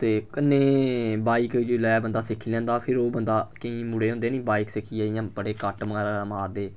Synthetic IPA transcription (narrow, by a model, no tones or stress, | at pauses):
t̪eːkɪnːeːbaːikːlɛːbənd̪aːsɪkʰiːlɛ̃ːnd̪aːpʰɪɾoːbənd̪aːkəĩːmuɽeːɦõnd̪eːnĩːbaːiːksɪkʰiːaːɪjãːbəɽeːkəʈmːɾmaːɾd̪eː